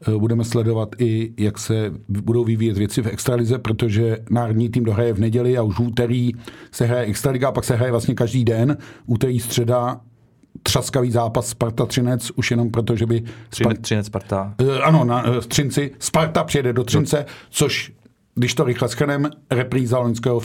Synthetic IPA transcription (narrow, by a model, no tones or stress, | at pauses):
budɛmɛslɛdo̞vat̪ɪjaksɛbudo̞wvɪviːjɛt̪vjɛt͡sɪfɛkst̪ɾalɪzɛpɾot̪o̞ʒɛnaːɾodɲiːt̪iːmdo̞ɦɾajɛvnɛɟɛlɪauʃvuːt̪ɛɾiːsɛɦɾajɛɛkst̪ɾalɪɡaapaksɛɦɾajɛvlast̪ɲɛkaʒdiːdɛnʔuːt̪ɛɾiːst̪r̝̥ɛda | t̪r̥askaviːzaːpasspaɾt̪at̪r̥ɪnɛt͡suʃjɛno̞mpɾo̞t̪oʒɛbɪsapat̪aʔano̞nast̪r̝̥ɪnt͡sɪspaɾt̪apr̥ɛjɛdɛdot̪r̥ɪnt͡sɛt͡soʃ | ɡdɪʃt̪o̞ɾɪxlɛsxr̩nɛmɾɛpɾiːzaloɲskɛːɦof